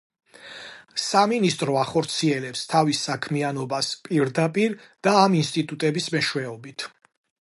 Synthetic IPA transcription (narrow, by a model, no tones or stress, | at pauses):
saminist̪ʼɾɔaχɔɾt̪sʰiɛlɛpst̪ʰavisakʰmianɔbaspʼiɾd̪apʼiɾd̪̥aːminst̪ʼit̪ʼut̪ʼɛbismɛʃwɛɔbit̪ʰ